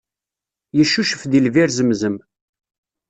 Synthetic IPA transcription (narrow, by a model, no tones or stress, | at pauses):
jəʃːuʃəfðilviɾzəmzəm